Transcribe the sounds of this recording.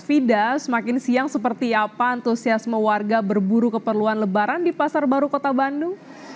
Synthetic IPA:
fidasəmakɪnsiaŋsəpərt̪iapaːnt̪usiasməwarɡabərbuɾukəpərluanləbaɾandipasarbaɾukot̪abanduŋ

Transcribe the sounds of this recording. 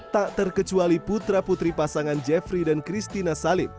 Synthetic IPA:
t̪aʔt̪ərkət͡ʃualiput̪ɾaput̪ɾipasaŋand͡ʒɛfɾidankɾist̪inasalɪm

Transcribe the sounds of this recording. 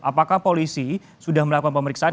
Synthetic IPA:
ʔapakahpolisi | sudahməlakukanpəməɾiksaa

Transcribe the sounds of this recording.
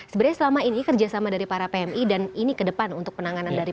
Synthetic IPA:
səbəɾaɲasəlamainikərd͡ʒasamadaɾipaɾapeɛmidaninikədəpanunt̪ʊk̚pənaŋanandaɾi

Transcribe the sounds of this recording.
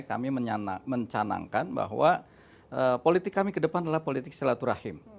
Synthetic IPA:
ka̰miməɲanaməɲt͡ʃana̰ŋkanba̰ɦwa | əpolit̪ɪkːamikədəpandalahpolit̪ɪk̚səlat̪uɾahɪm

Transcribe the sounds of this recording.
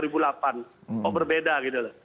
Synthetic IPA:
ɾibulapanɔbərbedaɡit̪ulah

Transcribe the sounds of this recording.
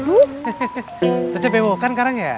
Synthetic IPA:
u | sad͡ʒabewokankaɾaŋja

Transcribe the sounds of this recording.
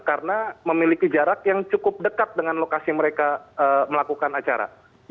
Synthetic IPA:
kaɾənaməmilikid͡ʒaɾakjaŋt͡ʃukʊp̚dəkat̪̚dəŋanlokasiməɾekaəməlakukanat͡ʃa̰ɾa̰

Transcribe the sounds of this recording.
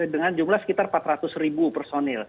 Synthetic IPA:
dəŋand͡ʒumlahsə̥kit̪arpat̪rat̪ʊsribupərsonɪl

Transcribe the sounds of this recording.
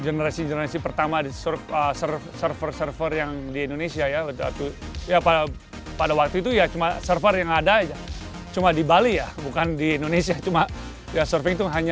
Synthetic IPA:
ɡənəɾasiɡənəɾasipərt̪amasərfəsərsərfərsərfərjaŋdiendonesiajabət̪a̰t̪ujapaa | padawak̚t̪uit̪ujat͡ʃumasərfərjaŋadad͡ʒa | t͡ʃumadibalijabukandiendonesiat͡ʃuma | jasərfɪŋt̪uɦaɲa

